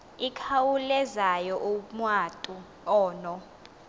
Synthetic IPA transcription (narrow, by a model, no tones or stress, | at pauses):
ikʰawulɛzajɔʔumwatʼu | ɔːnɔ